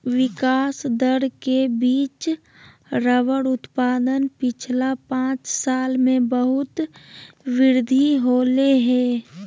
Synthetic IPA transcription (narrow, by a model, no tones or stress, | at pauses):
ʋɪkaːsd̪əɽkebiːt͡ʃ | ɾəʋəɽʊt̪paːd̪ənpɪt͡ʃʰlapãːt͡ʃsaːlmẽbəɦʊt̪ | ʋɪɾd̪ʱiɦoːleɦɛ̃ː